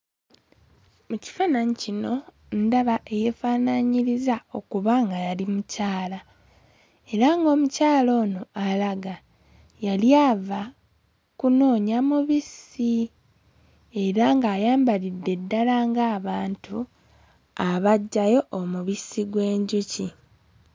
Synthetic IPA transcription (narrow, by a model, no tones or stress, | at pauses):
muci̥fanaɲicino̞ | ndaβae̞je̞fanaɲiɾizao̞kuβaŋɡajalimucaːla | e̞ɾaŋɡo̞ːmucaːlo̞ːno̞alaɡa | jaljaːva | kuno̞ːɲamuβisi | e̞ɾaŋɡaːjaːmbalidːe̞dːalaŋɡaːβaːntʰu | aβaɟːajo̞ʔːmuβisiɡwe̞ːɲɟuci